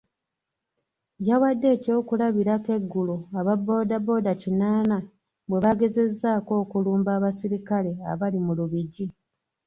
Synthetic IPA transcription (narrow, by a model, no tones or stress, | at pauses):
jawadːe̞ːco̞ːkulaβiɾake̞ɡːuloaβabːo̞ːdabo̞ːdacinaːna | bwe̞βaɡe̞ze̞zːaːko̞ːkuluːmbaːβasiɾikale̞a̰βalimuluβiɟi